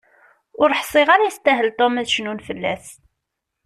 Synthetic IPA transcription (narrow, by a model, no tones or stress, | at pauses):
ʊɾħsˤɪʁaɾajəst̪æɦəlt̪ˤomæðʃnunfəlːæs